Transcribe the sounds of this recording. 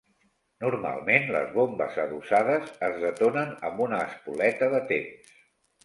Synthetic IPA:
nuɾma̰lˠmenlə̰zβombə̰zəðusað̞əzəzðət̪onənəmbunəːspulɛt̪əðət̪ems

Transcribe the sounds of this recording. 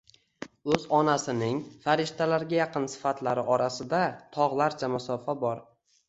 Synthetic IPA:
ɵzɒnasɪnɪŋfaɾɪʃt̪ʰalaɾɡʲajɑqɨnsɪ̥fat̪ʰlaɾɪʔɒɾasɪd̪at̪ʰɒʁlˠaɾt͡ʃʰamʊsɒfabɒɾ

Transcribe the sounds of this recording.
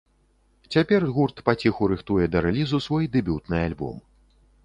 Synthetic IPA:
t͡sʲapʲɛrɣurt̪pat͡sʲixuɾɨxt̪ujɛd̪ɐɾɛlʲizusvɔjd̪ɨbʲut̪nɨalʲbɔ̰m

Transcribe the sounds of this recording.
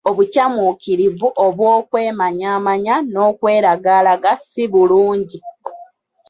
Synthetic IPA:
oβucamukiɾivuʔoβwoːkwe̞ːmaɲaːmaɲano̞ːkwe̞ːɾaɡaːlaɡasiβuluːɲɟi

